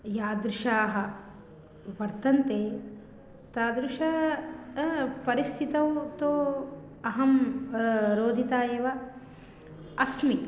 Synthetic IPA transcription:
jaːd̪ɾuʃaːɦɐ̆ | ʋɐɾt̪ɐnt̪eː | t̪aːd̪ɾuʃɐ | pɐɾist̪ʰit̪ɐwt̪oː | ɐɦɐm | ɾoːd̪ʱit̪aːjeːʋɐ | ɐsmi

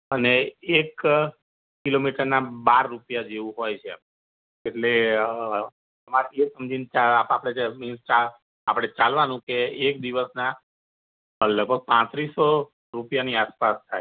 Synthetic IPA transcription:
əneek | kːilomiʈəɾnabaɾːupjad͡ʒeʋũɦojt͡ʃʰea | eʈle | əmaɾesəmd͡ʒʱint͡ʃaapapəɽ̃eminst͡ʃa | apəɽ̃et͡ʃalʋanũkeek̚d̪iʋəsna | ləɡ̚bʱəɡ̚pãt̪ɾisːo | ɾupjaniaspast̪ʰaj

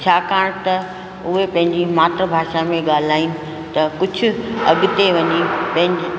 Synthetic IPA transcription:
t͡ɕʰaːkaːɽ̃t̪ɐ | ʊɦepɐ̃ɦɪ̃ɲd͡ʑimaːt̪ɾəbʱaːʃamẽɠaːl̤aːinɪ̆ | t̪ɐkʊd͡ʑʱʊ̆ɐɠʊt̪eʋɐɲipɐ̃ɦɪ̃ɲ

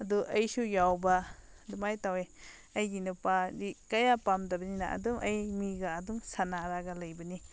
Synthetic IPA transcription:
ɐduʔɐjsujawbɐdumajtaweɐjɡinupadikɐjapamdɐbɐnina̰ʔɐ̰dumʔɐjmiɡaːdumsanaɾaɡɐlɐjbɐni

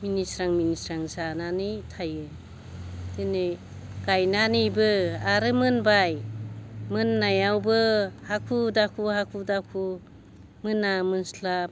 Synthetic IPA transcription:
minisɾaŋminisɾaŋzananitʰajɯ | d̥ɯne | ɡ̥ajnanibɯaɾɯmɯnbaj | mɯnːajawbɯhakʰudakʰuhakʰudakʰu | mɯnamɯnslap̚

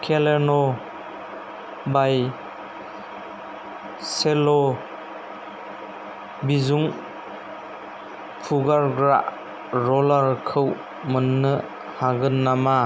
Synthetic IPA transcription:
kʰelenɔ | baj | selɔ | bizuŋ | pʰuɡaɾɡɾa̰ʔ | ɾɔlaɾkʰɯw | mənːɯ | haɡɯnːama

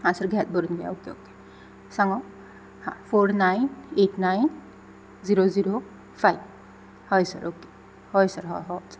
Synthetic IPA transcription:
ãsəɾɡʱɛt̪̚bəɾunɡaja̰okeoke̥ | saŋɡɔ̃ | hã̰fʰoɾnajneʈnajn | ziɾoziɾo | fʰajb | hɔjsə̰ɾoːke̥ | hojsəɾɦɔ̰ɦɔsə̥ɾ

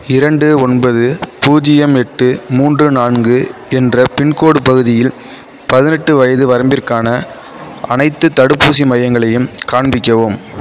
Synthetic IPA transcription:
ɪɾɐɳɖɯɔnbɐðɯpuːd͡ʒɪjɐmɛʈːɯmuːndrɯnaːɳɡɯɛndrɐpɪɳkoːɽɯpɐɣɯðɪjɪl | pɐðɪnɛʈːɯʋɐjɐðɯʋɐɾɐmbɪrkaːnɐ | ɐnɐɪt̪ːɯt̪ːɐɽɯpːuːs̬imɐjɐŋɡɐɭɐjɯmkaːɳbɪkʲːɐʋoːm

